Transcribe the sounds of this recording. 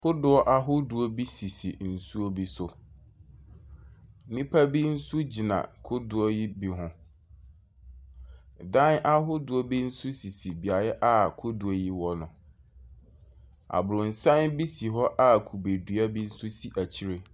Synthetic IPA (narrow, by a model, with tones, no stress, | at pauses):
kʰʊ˦dʊ˨ɔ˦ʔa˦ɦʊ˦dʊ˨ɔ˦bi˦si˨sḭ˨n̩˨su˦o˦bi˦sʊ˨˦ | nĩ˦pʰa˦bi˦n̩˦su˦d͡ʑi˨nã̰˨kʰʊ˦dʊ˨ɔ˦ji˦bi˨ɦʊ̃˦ | dã˦n˦ʔa˦ɦʊ˦dʊ˨ɔ˦bi˦n̩˦sʊ˦si˨si˨bi˨a˨jɛ˦ʔa˦kʰʊ˦du˨ɔ˦ji˦wɔ˦nʊ̰̃˨ | a̰˨bʊ˨ɾʊ̃˨n̩˨sã˦nbi˦si˨ɦɔ˦ʔa˦kʰu˨be˨dɥa˦bi˦n̩˦sʊ˦si˨ʔæ˨t͡ɕʰi˦ɾe˦